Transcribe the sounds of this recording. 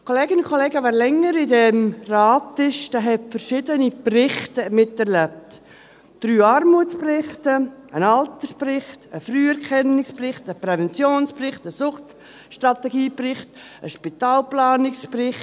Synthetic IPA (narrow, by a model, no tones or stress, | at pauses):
kʰoleːɡɪnʊkʰolɛːɡəʋɛːɾlɛŋːəɾɪdɛmrɑːtɪʃdaːɦɛtfərʃɪdəniprɪχtəmɪtɛɾlɛp̚t | d̥ɾyːɑɾmuət͡sprɪχtəənɑlt̪əsprɪχtəfryːɛɾkʰɛnːɪksprɪχtəpɾɛvɛnt͡sjoːnsprɪχtəsʊχt | ʃtrɑtɛɡiːprɪχtəʃpit̪aːlplɑːnɪksprɪχ